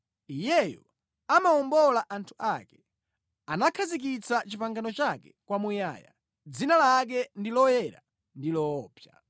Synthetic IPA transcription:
ijɛjɔ̰ | amaɔmbɔlaʔantʰu̥ʔakɛ̥ | anakʰazik̬it͡sat͡ʃipaŋɡanɔt͡ʃakɛkwamuja̰ja̰ | d͡zinalak̬ɛndilɔjɛɾa̰ | ndilɔːpja

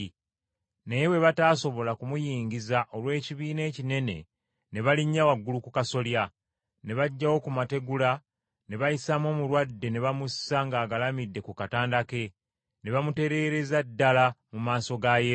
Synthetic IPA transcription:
nejewe̞βataːso̞βo̞lakumujiːɲɟizaʔo̞lwe̞ːciβiːne̞ːcine̞ne̞̰ | ne̞βaliɲːawaɡːulukukaso̞lja | ne̞βaɟːawo̞kumate̞ɡula | ne̞βajisamwo̞ːmuɾwadːe̞ne̞βamusːaŋɡaːɡalamidːe̞kukataːndake̞ | ne̞βamute̞ɾe̞ɾe̞zadːalamumaːso̞ɡaje

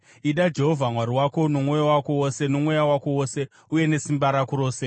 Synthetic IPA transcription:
iɗad͡ʒe̞ɦovʱamwaɾiwako̞no̞mwo̞jowako̞wose̞nomwejawako̞wose̞ | uje̞ne̞simbaɾakuɾo̞ːse

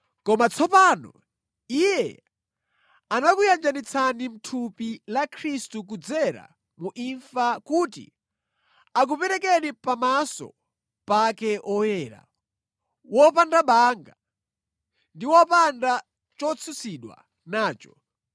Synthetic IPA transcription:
kɔmat͡sʰɔpaːnɔ̰ | ijɛ | anakujand͡ʒanit͡sʰanim̩tʰupilakʰɾistuk̬ud͡zɛɾa̰ | muʔiɱfakutḭ | ak̬upɛɾɛk̬ɛnipamasɔ̰ | pakɛʔɔjɛːɾa̰ | wɔpandaɓaŋɡa | ndiwɔpanda | t͡ʃɔt͡sʰusiɗwa̰ | naːt͡ʃɔ̥

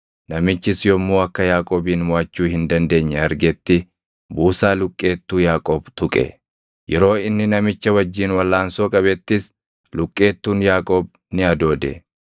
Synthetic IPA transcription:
nɐmɪt͡ʃːɪsjɔmːuːɐkːɐjaːkʼoːbiːnmʊɐt͡ʃːuːhɪnd̪ɐnd̪e̞ːɲːɐɐɾɡɛt̪ːɪ | buːsaːlʊkʼːe̞ːt̪ːuːjaːkʼoːbt̪ʊkʼɛ̰ | jɛɾo̞ːɪnːɪnɐmɪt͡ʃːɐwɐd͡ʒːiːnwɐlːaːnsoːkʼɐβɛt̪ːɪs | lʊkʼːe̞ːt̪ːuːnjaːkʼoːb | nɪɐd̪o̞ːd̪ɛ̰

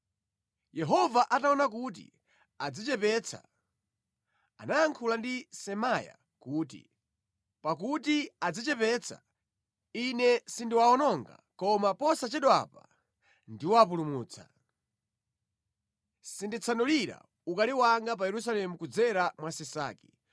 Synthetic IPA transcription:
jɛɦɔvaʔataɔnak̬ut̬ḭ | ad͡zit͡ʃɛpɛt͡sʰa̰ | a̰naaŋkʰulandisɛmaja̰ | kuːtḭ | pakutiad͡zit͡ʃɛpɛt͡sʰa̰ | inɛsindiwaɔnɔŋɡa̰kɔmapɔsat͡ʃɛɗɔa̰pa | ndiwap̬ulumuːt͡sʰa̰ | sindit͡sʰanɔliɾa̰ | ukaliwaŋɡap̬ajɛɾus̬alɛmukud͡zɛɾamwasɛsa̰ːkɛ̥

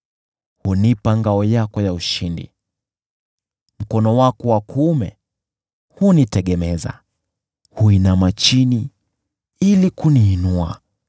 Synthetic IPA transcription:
hunipaŋɡaɔjakɔjauʃindḭ | m̩kɔnɔwakɔwakʰːmɛ̰ | hunitɛɠɛmɛza̰ | huinamat͡ʃini | ilikuniːnua

